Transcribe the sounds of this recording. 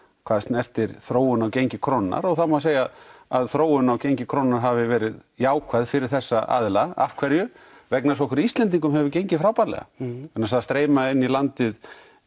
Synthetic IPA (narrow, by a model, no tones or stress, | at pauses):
kʰvaːðst̪nɛr̥t̪ɪɾθɾoːwʏnawcejɲcɪkʰɾɔnːa̰ɾɔɣθawmaseːjaðaðθɾoːwʏnawcejɲcɪkʰɾɔnːaɾ̥ɦavɪvɛːɾɪðjaːwkʰvajðfɪɾɪɾ̥θɛsːaʔa̰ðlaa̰fkʰvɛɾjʏ | vɛknasɔwhkɪɾist̪lɛnt̪̬iŋkʏmɦɛvʏcejɲcɪfɾaːwpalɛ̰ɣa̰ɛnːaɾsaðast̪ɾeːjmaɪnːilant̪ɪð